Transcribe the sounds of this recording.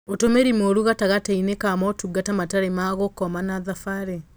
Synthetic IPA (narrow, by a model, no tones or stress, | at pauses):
otomeɾimoɾuɣataɣatainekamɔtuɡatamataɾemaːɣokɔmanaðafaɾe